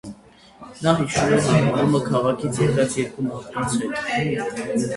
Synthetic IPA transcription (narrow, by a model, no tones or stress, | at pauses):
nɑhiʃuɾɛɦɑmɔɾuməkʰɑʁɑkʰit͡sʰjɛɾkɑt͡sʰjɛɾkumɑɾt̪ʰut͡sʰhɛt̪ʰ